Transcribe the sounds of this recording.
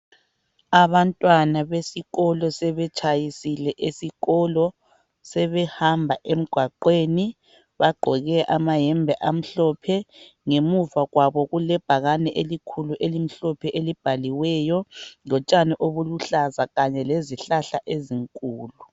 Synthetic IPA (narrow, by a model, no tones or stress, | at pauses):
aβantʼwanaβesiɣɔlɔsɛβɛt͡ʃʰʼajisilɛʔesiɣɔlɔ | sɛβɛhambʱaʔem̩ɡ̥ʱwaǃweni | βaɡ͡ǃʱɔɣɛʔamaɦɛmbʱɛʔam̩ɬɔpʰɛŋemuvaɣwaβɔɣulɛb̥ʱaɣanɛʔelikʰuluʔelim̩ɬɔpʰɛʔelib̥ʱaliwɛjɔlɔt͡ʃʼanɛʔoβuluɬazaɣaɲɛleziɬaɬaʔeziŋkʼuːlu